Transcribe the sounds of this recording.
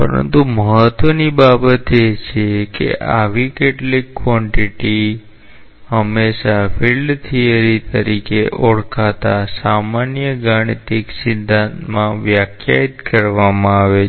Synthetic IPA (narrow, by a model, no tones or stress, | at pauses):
pə̰ɾə̰nt̪uməɦət̪ʋənibabət̪et͡ʃʰekḛʔaʋikeʈlikːʋɔ̃ɳʈiʈi | həmːeʃafilɖt̪ʰiəɾit̪əɾikeʔoɽkʰat̪asamanjəɡaɽ̃it̪iksɪd̪ʱãnt̪mãʋjakʰja̰it̪kəɾʋamãaʋe